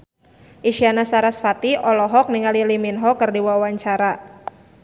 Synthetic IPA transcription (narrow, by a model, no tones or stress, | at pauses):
ʔiʃianasaɾasfat̪iʔɔlɔɦɔk̚niŋaliliminɦɔkɨrdiwawaɲt͡ʃaɾa